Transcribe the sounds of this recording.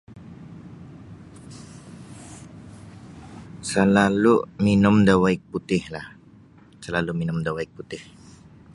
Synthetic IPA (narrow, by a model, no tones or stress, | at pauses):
səlaluminʊmdawaik̚put̪ɪhlah | səlaluminʊmdawaik̚put̪ɪh